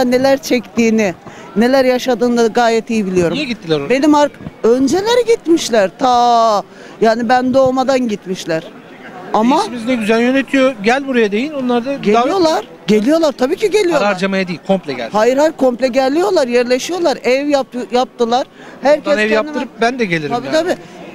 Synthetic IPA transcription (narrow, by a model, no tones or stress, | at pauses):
ane̞lʲæɾt͡ʃʰɛct̪iːnɪne̞lʲæɾjaʃad̪ɯːnd̪aɡaːjɛt̪ijibilʲijo̞ɾumjɟit̪ʰːilʲæɾobe̞nimaɾkønd͡ʒe̞lʲeɾɛɟit̪miʃlʲæɾt̪ʰa | jaːnibænd̪o̞ːmad̪anɟit̪miʃlʲæɾ̥ | amamiznɛɟyzælʲjønet̪ʰijoɟælʲbuɾajad̪e̞jilʲonlˠaɾd̪aɟeaijo̞lˠaɾ̥ | ɟe̞lʲijo̞lˠaɾt̪ʰabiːcʰiɟe̞lʲijoɾaaɾad͡ʒamajad̪ijilʲkʰomplʲɛɟæ̰lʲhaːjiɾhajɾkʰo̞mplʲɛɟælʲːijo̞lˠaɾjæɾlʲe̞ʃijo̞lˠaɾɛvjap̚jap̚t̪ʰɯlˠaɾ̥ | hæɾcʰɛsɛvjapnimɯɾɯp̚bænd̪ɛɟelʲiɾabiːt̪ʰabiː